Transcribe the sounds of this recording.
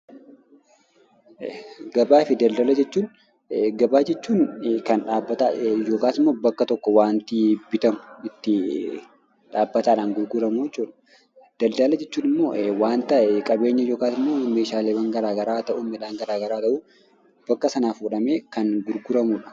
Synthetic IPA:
ɡɐbaːfɪd̪ɐld̪ɐlɐd͡ʒɛt͡ʃːuːn | ɡɐbaːd͡ʒɛt͡ʃːuːnkɐnᶑaːbːɐt̪ajo̞ːkaːsɪmːoːbɐkːɐt̪ɔkːɔwaːnt̪ɪbɪt̪ɐmʊɪt̪ːɪ | ᶑaːbːɐt̪aːᶑaːnɡʊɾɡʊɾɐmuɛt͡ʃːuːᶑɐ̥ | d̪̥ɐld̪ɐlɐd͡ʒɛt͡ʃːuːnɪmːo̞ːwaːnt̪ɐʔɛkʼɐbe̞ːɲːɐjo̞ːkaːsɪmːoːme̞ːʃaːleːbɐŋɡɐɾaːɡɐɾaːt̪ɐʔuːmɛᶑaːŋɡɐɾaːɡɐɾaːt̪ɐʔuː | b̥ɐkːɐsɐnaːfuːᶑɐmeːkɐnɡʊɾɡʊɾɐmuːᶑɐ̥

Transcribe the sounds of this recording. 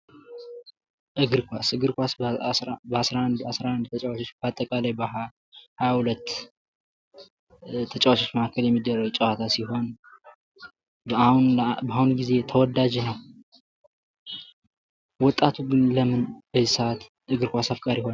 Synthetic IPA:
ʔɨɡɨɾkʷasɨɡɨɾkʷas | bəasɾaand̪asɾaʔand̪t̪ʰət͡ʃʼawat͡ʃo̞t͡ʃːb̥at̪ʼːəkʼalajbə | hajahulət̪ː | t̪ʰət͡ʃʼawat͡ʃo̞t͡ʃːməakʰːəljɛmːid̪ərəwt͡ʃʼəwat̪ʰasiɦo̞n | bhunbaahunɡize̞t̪ʰəwɔd̪ad͡ʒenəw | wɔt̪ʼːat̪ʰuɡɨnləmɨnbəzisəat̪ | ʔɨɡɨɾkʷasafkʼaɾiho̞n

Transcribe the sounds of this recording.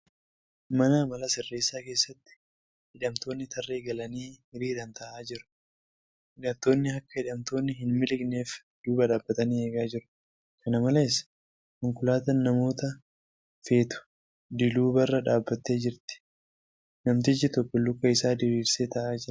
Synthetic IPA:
mɐnɐmɐlɐsɪrːe̞ːsːaːke̞ːsːɐt̪ːɪ̥ | hɪᶑɐmt̪o̞ːnːɪt̪ʰɐrːe̞ːɡɐlɐniːhɪɾiːɾɐnt̪ɐʔaːd͡ʒɪɾʊ̥ | hɪᶑɐmt̪o̞ːnːɪhɐkːɐhɪᶑɐmt̪o̞ːnːɪɦɪnmɪlɪkne̞ːf | d̪̥uːbɐᶑaːbːɐt̪ɐniːe̞ːɡaːd͡ʒɪɾʊ̥ | kɐnɐmɐleːɪsɐ̥ | kʊŋkʊlaːt̪ɐnːɐmo̞ːt̪ɐ | fe̞ːt̪ʊ̥ | d̪ɪluːbɐrːɐᶑaːbːɐt̪ːe̞ːd͡ʒɪɾt̪ɪ̥ | nɐmt̪̬ɪd͡ʒɪt̪ɔkːɔlːʊkːɐɪsaːd̪eːbiːɾseːt̪ɐʔaːd͡ʒɪɾ

